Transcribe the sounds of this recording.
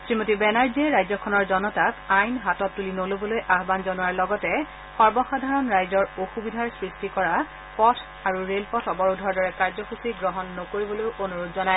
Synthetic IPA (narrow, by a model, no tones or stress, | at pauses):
sɹimotibɛnaɹziɛɹajzɔkʰɔnɔɹzɔnɔtakajnɦatɔtːulinolobɔlojʔaɦbanzɔnuaɹlɔɡɔtɛ | xɔɹbɔxadʱaɹɔnɹajzɔɹoxubidʱaɹsɹistikɔɹa | pɔtʰ | aɹuɹelpɔtʰɔbɔɹudʱɔɹdɔɹɛkaɹzɔxusiɡɹɔɦɔnːɔkoɹibɔlojʔonuɹodzɔnaj